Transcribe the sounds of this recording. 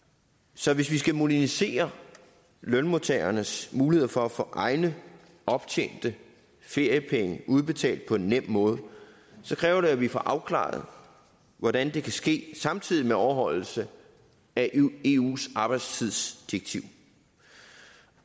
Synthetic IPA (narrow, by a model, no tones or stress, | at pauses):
sɒ̽ʋe̝sʋisɡ̥æmo̝ɾ̥ænise̝̰ːɐ | lœnmo̝t͡sʰḛɐnəsmuːlie̝ð̰ˠɐfɒ̽æfɔ̰̽ːʔɑ̈ɪnə | ɒ̽b̥t͡ɕʰen̰d̥ə | fe̝ɐ̰jəpʰeŋəʔuð̞ˠb̥e̝t͡sʰɛ̰ːld̥̚pʰɒ̽e̝nːem̰mɔ̽ːð̞ˠ | sɒ̽kʰʁɛːʊɐɾe̝æʋifɒ̽ʔɑ̈ʊkʰlɑ̰̈ð̩ˠ | ʋɒɾ̥ænd̥e̝kʰæsɡ̥e̝̰ːsɑ̈mt͡sʰið̞ˠimeɒʊɐɦɒ̽l̰l̩sə | æe̝ṵːsɑ̈ːb̥ɑ̈ɪd̥st͡sʰið̞ˠsd̥iɐɡ̥̚t͡sʰiʊ̰